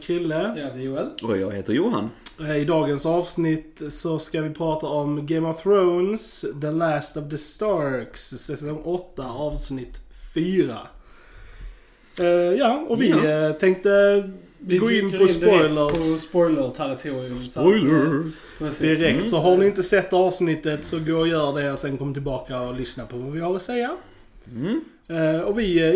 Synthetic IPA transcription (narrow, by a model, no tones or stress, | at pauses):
kʰɪlːət̪əjuːɛlɔjɑ̰ːɡheːt̪əɾjuːɦa̰nɪd̪ɑːɡənsɑːvsnɪt̪sɔskavɪpʰɾɑːt̪aɔmɡɛmɔvθɾoʊnsd̪əlæst̪ɔvd̪əst̪ɑɾksːɛsɔŋʔɔt̪ːaɑːvsnɪt̪fyːɾa̰ | jɑːɔvɪt̪ʰɛŋk̚t̪ə | ɡoːɪnːpɔspɔɪləɾspɔjləɾt̪ʰaɾɪt̪ʰuɾɪʊmɔjlə | d̪ɪɾɛk̚t̪sɔɦanɪɪnt̪əsɛt̪ːɑːvsnɪt̪ːət̪sɔɡoːɾɔjœːɾɖɛɔsɛnkʰɔmːt̪ʰɪlbɑːkaɔlʏsnapʰɔvavɪhaɾɔsɛjːa | ɔvɪ